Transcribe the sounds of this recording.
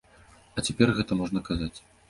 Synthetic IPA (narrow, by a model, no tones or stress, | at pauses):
ɐt͡sʲapʲɛrɣɛt̪ɐmɔʐnɐkazat͡sʲ